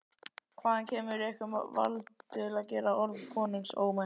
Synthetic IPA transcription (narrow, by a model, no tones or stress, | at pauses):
kʰvaːðancʰɛːmʏɾiɛhkʏmva̰lt̪ɪlaðcɛːɾaɔɾvkʰɔːniŋkso̰ːwma